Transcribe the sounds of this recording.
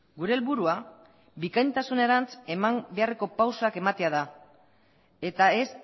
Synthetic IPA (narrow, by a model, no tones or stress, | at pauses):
ɡuɾe̞ːlβuɾua | bikajnt̪asune̞ɾant͡se̞mambe̞are̞ko̞pawsoake̞mat̪e̞að̞a | e̞t̪ae̞s